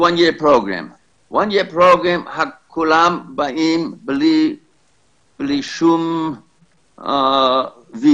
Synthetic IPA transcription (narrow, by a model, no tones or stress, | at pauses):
wãnjipɾoɡɾɛ̰m | wʔãnjipɾoɡɾẽmhakʰːulambaimbli | b̥liʃum | vi